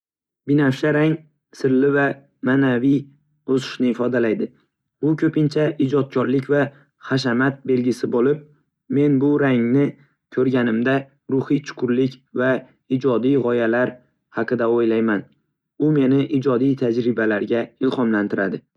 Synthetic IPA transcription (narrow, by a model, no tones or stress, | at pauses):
bɪnafʃaɾaŋ | sɪɾlɪva | manavij | osɪ̥ʃnɪːfɒd̪alajd̪ɪ | b̥ʊkʲʰɵpɪnt͡ʃʰaɪd͡ʒɒt̪̚kʲʰɒɾlɪkʲva | χaʃ̬amat̪̚be̞lɡʲɪsɪbolɪp̚ | me̞nbʊɾaŋnɪ | kʲʰɵɾɡʲanɪmd̪a | ɾʊhit͡ʃʰʊ̥qʰʊɾlɪkʲva | ɪd͡ʒɒd̪ijʁɒjalaɾ | hɑqɨd̪aojlajman | ʊme̞nɪʔɪd͡ʒɒd̪ijt̪ʰad͡ʒɾɪbalaɾɡʲaɪlˠhɒmlant̪ʰɪɾad̪ɪ